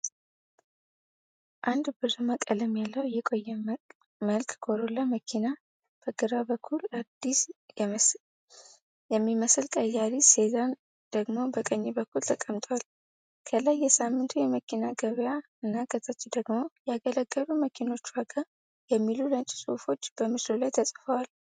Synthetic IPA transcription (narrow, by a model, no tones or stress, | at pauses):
ʔand̪bɨzməkʼələmːjalːəwjɛkʼo̞jːɛ | məlkʰʼɡʰo̞ɾolːəməkʰina | b̥əɡɨɾabəkʰːulad̪̥ːis | jɛmːiməsɨlkʼəjaɾise̞zan | d̪̥əɡmo̞bəkʼəɲːibəkːult̪ʰəkʼəmt̪ʼəwal | kʰəlajːɛsamːɨnt̪ʰujɛməkʰinaɡəβja | ɨnːaɡət̪ʰat͡ʃːd̪əɡmo̞jɛaɡələɡːəβuməkʰino̞t͡ʃːwaɡə | jɛmːilulənt͡ʃʼsofo̞t͡ʃːb̥əmɨslolajt̪ʰəsʼfəwal